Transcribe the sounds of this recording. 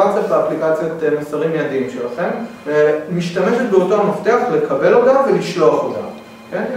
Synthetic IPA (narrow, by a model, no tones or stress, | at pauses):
at͡seflaːplikat͡sjot̪emasaʁimjadimʃelaχe̞mvemiʃtame̞ʃet̚beo̞toamaft̪e̞aχle̞kʰabe̞lot̪amveliʃlo̞aχota̰m | ke̞n